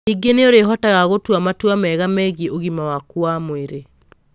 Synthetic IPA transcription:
iɡeneoɾeɦɔtaɣaɣotwamatwamɛɣamɛɣiʔoɣimawakwamweɾe

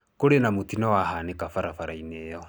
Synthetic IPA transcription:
koɾenamotinɔwahanekafaɾafaɾaineːjɔ

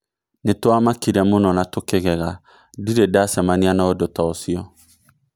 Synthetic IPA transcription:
netoamakiɾɛmonɔnatokeɣɛɣa | diɾedasɛmanianaodotɔsiɔ

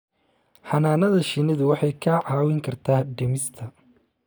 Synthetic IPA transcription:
ħɑnaːnɐðɐʃɪnɪðʊwɑħɑjkʰɐʕɑːwɪŋkʰɐrt̪ʰaːhɖɛmɪst̪ʰɐ

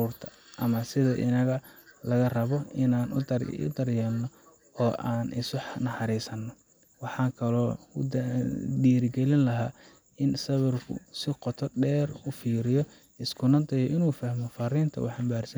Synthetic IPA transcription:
ruːrt̪ʰɐ̥ʔɐmɐsɪðɐʔɪ̰nɐɣɐlɐɣɐrɐβɔɪnaːnʊ̰d̪ɐrjɛlnɔ | ɔːʔaːnʔɪ̰sʊħnɐħɑɾiːsɐnːɔ | wɑħɑːkʰɐlɔː | diːɾɪɡɛlɪnlɐɦaː | ɪnsɐβɪrkʰʊ̰sɪqɔt̪ʰɔɖɛːrʊfiːɾɪjɔ | ɪskʰʊnɐnt̪ʰɐjɔʔɪnuːfɐhmɔfɐriːnt̪ʰɐ̰wɑħɑmbaːrsɐ

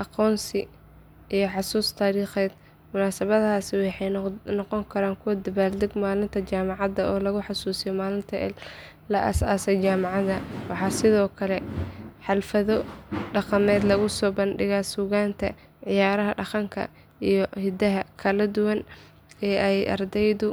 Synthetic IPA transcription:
ʔɑqɔːnsɪ | ijɞħɑsuːst̪ʰaːɾiːχɛːd̪ | mʊnaːsɐβɐðɐɦaːsɪwɑħɑjnɔqɔŋkʰɐɾaːŋkʰʊwɐd̪ɐβaːld̪ɛɡmaːlɪnt̪ʰɐt͡ʃaːmɑʕɑðɐɔːlɐɣʊħɑsuːsɪjɔmaːlɪnt̪ʰɐ̰ | lɐʔɐ̰sa̰ːsɛjt͡ʃaːmɑʕɑðɐwɑħɑːsɪðɔːkʰɐlɛħɑlfɐðɔɖɑqɑmɛːd̪lɐɣʊsɔːbɐnɖɪɣaːsuɣaːnt̪ʰɐ | ʕɪjaːɾɐɦɐɖɑqɑŋkʰɐ̰ | ijɞhɪd̪ɐɦɐkʰɐlɐd̪ʊwɐn | ɛːʔɛjʔɐ̰rd̪ɛjðʊ

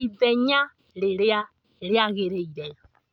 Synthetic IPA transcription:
idɛɲa | ɾɪɾɪa | ɾɪaɣeɾeiɾɛɔ

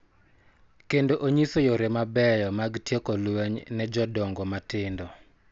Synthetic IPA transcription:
kendoʔoɲisojoɾemabɛjɔmaɡtjekolwɛɲnɛd͡ʒɔdɔŋɡɔmatɪndɔ

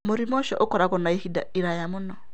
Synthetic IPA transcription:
moɾimɔʃɔ̰ʔokɔɾakɔnaihida̰iɾajamʊnɔ

